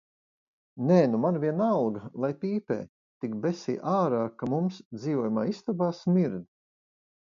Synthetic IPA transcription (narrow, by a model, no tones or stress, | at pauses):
nɛːnumanviɛnalˠɡlˠajpiːpɛ̰ː | t̪ikbɛsḭːʔaːɾaːkamumsd̪ziːvuɔjumaːist̪ɔbaːsmiɾd̪